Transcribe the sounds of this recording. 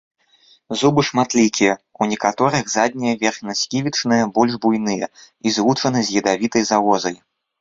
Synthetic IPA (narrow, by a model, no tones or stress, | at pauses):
zubɨʂmat̪lʲikʲijɛunʲɛkat̪ɔɾɨɣzad̪̚ʲnʲijɐvʲɛrxnʲɐsʲkʲivʲit͡ʂnɨjɐbɔlʲʐbujn̪ɨjɐ̰ | izvut͡ʂɐnɨzʲjɐd̪avʲit̪ɐjzavɔzɐj